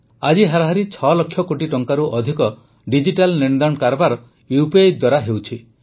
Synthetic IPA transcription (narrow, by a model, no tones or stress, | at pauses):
ad͡ʒiɦaɾaɦaɾit͡ʃʰɔlɔkʰːjɔkoʈiʈɔŋkaɾuʔɔd̪ʱikɔ | ɖid͡ʒiʈalniɳ̃d̪ankaɾɔbaɾɔ | juped̪waɾaɦewt͡ʃʰi